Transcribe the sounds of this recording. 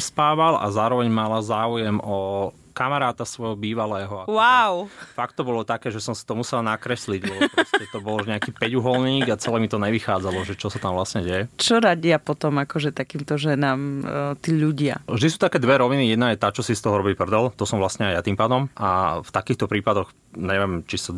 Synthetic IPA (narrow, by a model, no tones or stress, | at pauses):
spaːʋala̰zaːɾɔʋɛɲmalazaːujɛmɔ | kamaɾaːt̪asʋɔjɦɔbiːʋalɛːɦɔawawfakt̪ːɔbɔlɔt̪akɛːʒɛsɔmsi̥t̪ɔmusɛlnakɾɛsliɟlɛbɔpɾɔscɛt̪ɔbɔluʒɲɛakiːpɛɟuɦɔlniːɡat͡sɛlɛːmit̪ɔɲɛʋixaːd͡zalɔʒɛt͡ʃɔsat̪amʋlasɲɛɟɛjɛt͡ʃɔɾaɟɪapɔt̪ɔmakɔʒɛt̪akiːmt̪ɔʒɛnaːmt̪iːʎuɟɪa̰vʒd̪isuːt̪akɛːd̪ʋɛɾɔʋinijɛd̪najɛt̪aːt͡ʃɔsist̪ɔɦɔɾɔbipr̩d̪ɔlt̪ɔsɔmʋlasɲɛajat̪iːmpaːd̪ɔmaft̪akiːxt̪ɔpɾiːpad̪ɔx | ɲɛʋjɛmt͡ʃisa